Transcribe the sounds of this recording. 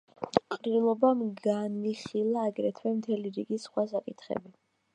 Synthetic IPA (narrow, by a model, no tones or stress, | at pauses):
qqʼɾilˠɔbamɡaniχilˠaːɡɾɛt̪ʰwɛmt̪ʰɛliɾiɡisχwasakʼit̪ʰχɛ̰bi